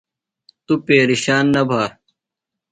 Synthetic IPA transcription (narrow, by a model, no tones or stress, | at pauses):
t̪upeːɾiɕaːnːɐbʱaː